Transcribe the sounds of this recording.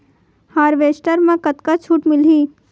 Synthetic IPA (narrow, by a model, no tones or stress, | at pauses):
haːɾʋeːsʈəɾmẽkɐt̪kat͡ʃʰuːʈmɪlɦiː